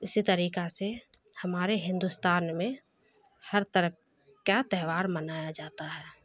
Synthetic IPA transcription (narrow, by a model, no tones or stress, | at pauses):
ɪsit̪əɾiːkasehəmaːɾeɦɪ̃nd̪ust̪aːnmẽ | həɾt̪əɾəp̚ | kat̪ɛːʋaːɾmənaːjad͡ʒaːt̪aɦɛː